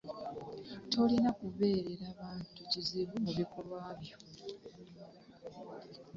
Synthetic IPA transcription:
to̞linakuβe̞ːɾeɾaːβaːntuciziβumuβikolwaːβjo

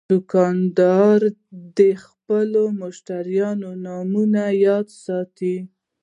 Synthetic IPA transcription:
dʊkɑnd̪ɑɾd̪əxpəlomʊʃt̪aɾjɑnonɑmunajɑd̪sɑt̪i

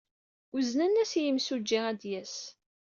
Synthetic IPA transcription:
ʊznænːæsjəmsud͡ʒːiæd̪jæs

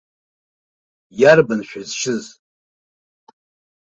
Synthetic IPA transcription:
jarbanʃᶣazʃʰɪz

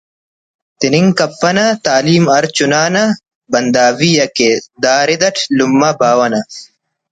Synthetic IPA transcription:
t̪iniŋkɐpːɐnɐt̪aːliːmɐɾt͡ɕunaːnɐ | bɐnd̪aːwijɐked̪aːɾid̪ɐʈʰlumːɐbaːwɐnɐ

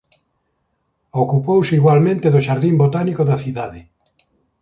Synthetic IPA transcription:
okupowseiɣwalmẽnt̪eðoʃaɾðimbot̪anikoðaθiðaðɪ

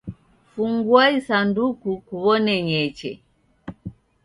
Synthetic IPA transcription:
fuŋɡwaisandukukuβɔnɛɲɛt͡ʃɛ̰

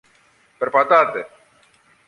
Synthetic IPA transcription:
peɾpat̪at̪e

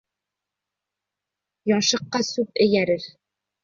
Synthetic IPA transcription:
jɒnʃɤ̆qːɑsʉp̚ɘ̆jæɾɘɾ

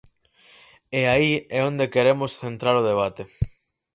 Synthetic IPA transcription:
eaiɛond̪ekeɾemʊsθent̪ɾaɾoðeβ̞at̪e

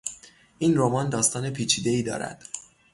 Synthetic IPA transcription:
ʔiːnroːmɒːnd̪ɒːst̪ɒːne̞pʰiːt͡ʃʰiːd̪e̞iːd̪ɒ̰ːɾæ̰d̪̥

